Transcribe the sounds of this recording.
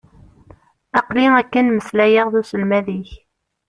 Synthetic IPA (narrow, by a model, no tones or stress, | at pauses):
ɑqliækːənməslæjəʁðusəlmæðiç